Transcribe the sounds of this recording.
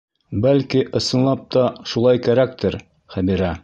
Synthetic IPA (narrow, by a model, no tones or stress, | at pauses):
bælkiʔɤ̆sɤ̆nlˠɑp̚t̪ɑʃulˠɑjkæɾæk̚t̪ɘɾ | χæbiɾæ